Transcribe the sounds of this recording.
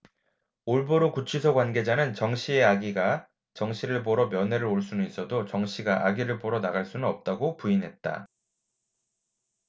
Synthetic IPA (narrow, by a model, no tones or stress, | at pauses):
oɭboɾokut͡ɕʰisʰʌɡwanɡe̞d͡ʑanɯnt͡ɕʌŋɕ͈ʰie̞aɡiɡa | t͡ɕʌŋɕʰiɾɯɭpʌɾʌmjʌnɦe̞ɾɯɾoɭs͈unɯnis͈ʌdot͡ɕʌŋɕʰiɡaʔaɡiɾɯɭpʌɾʌnaɣaɭs͈unɯnʌp̚t͈aɡopuinɦe̞t̚t͈a̰